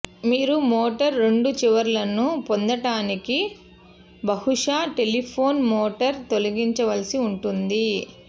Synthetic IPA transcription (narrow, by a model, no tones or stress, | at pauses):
miːɾumoːʈɐɾːe̞ɳɖut͡ʃiʋɐɾlɐnupond̪ɐʈaːniki | bɐhuʂaːʈe̞lipʰo̞ːnmoːʈɐɾt̪o̞lɐɡiɲt͡ʃɐʋɐlɐsiuɳʈund̪i